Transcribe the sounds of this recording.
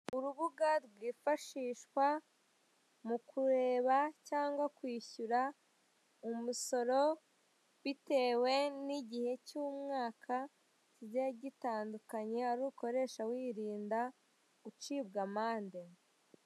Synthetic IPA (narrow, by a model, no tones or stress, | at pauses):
uɾuβuɡaɾɡwiːfaʃiːʃkwa | mukʰuɾe̞ːβacaːŋɡwakwiːçuɾa | umuso̞ɾo̞ | βite̞ːwe̞niɟihe̞cuːmŋaːkʰa | ijaɟitaːndukaɲe̞aɾuːko̞ɾe̞ːʃawiːɾiːnda | ut͡ʃibɡamaːnde